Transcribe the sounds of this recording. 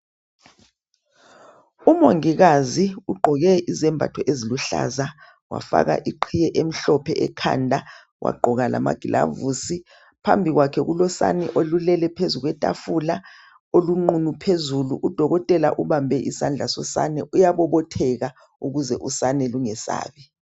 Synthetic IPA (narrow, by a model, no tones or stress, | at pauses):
umoŋiɣaziuɡ͡ǃʱɔɣɛizɛmbʱa̰tʰɔʔeziluɬa̰za | wa̰fa̰ɣa̰ʔiǃʰijɛʔem̩ɬɔpʰɛʔɛ̰kʰa̰ndʱa | wʔa̰ɡ͡ǃʱɔɣalʔa̰ma̰ɡ̥ʱilʔa̰vusi | pʰa̰mbʱiɣwakʰɛɣulɔsa̰niʔolulɛlɛpʰezuɣwɛtʼa̰fula | oluŋ͡ǃunupʰezuluʔud̥ʱɔɣɔtʼɛlaʔuβambʱɛʔisand͡ɮʱasɔsa̰nɛʔujaβɔβɔtʰɛɣa | uɣuzɛʔusanɛluŋɛsa̰ːβɛ